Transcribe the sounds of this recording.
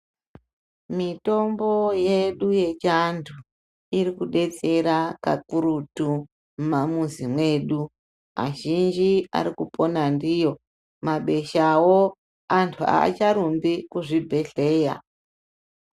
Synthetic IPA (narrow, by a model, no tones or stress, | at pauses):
mito̞mbo̞je̞ɗuje̞t͡ʃantʰu | irikuɗe̞t͡se̞ɾaka̰kuɾutu | mamuzimwe̞ɗu | a̰ʒind͡ʒia̰ɾikupo̞nandijo̞ | maɓe̞ʃawo | antʰua̰t͡ʃaɾumbikuʐibʱe̞ɬe̞ːja̰